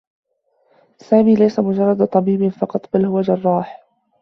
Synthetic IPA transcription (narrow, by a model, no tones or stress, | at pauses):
saːmiːlajsamʊd͡ʒɑrˤːɑd̪t̪ˤɑbiːbɪfɑqɑt̪ˤbalhʊwad͡ʒɑrˤːɑːħ